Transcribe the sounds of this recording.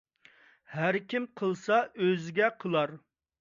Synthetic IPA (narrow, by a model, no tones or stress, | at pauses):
hæɾkʲʰimqʰəlˠsɑʔøzɪɡʲɛqʰəlˠɑɾ